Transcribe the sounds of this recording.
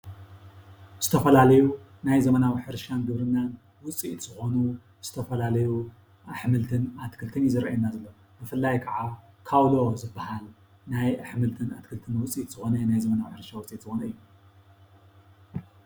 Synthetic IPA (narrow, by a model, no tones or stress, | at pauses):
z̥ɨt̪ʰɐfɐlalɐju | najzɐmɐnawiħɨɾʃanɡɨβɾɨnːan | wʊt͡sʼiʔt̪z̥ɨxo̞nu | z̥ɨ̥t̪ʰɐfɐlalɐju | ʔaħmɨlt̪ʰɨnat̪kʰɨlt̪ʰɨnizɨɾʔajnazɐlːo | bɨfɨlːajkʰɐʕa | kʰaβlozɨbːahal | najaħmɨlt̪ʰɨnat̪kʰɨlt̪ʰɨnwʊt͡sʼit̪z̥ɨxo̞nɐnajzɐmɐnawiħɨɾʃawt͡sʼit̪z̥ɨxonɐɨjːu